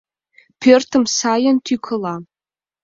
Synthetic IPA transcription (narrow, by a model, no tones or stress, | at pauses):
pʰertʰɨmsajantʰikʷʰɨla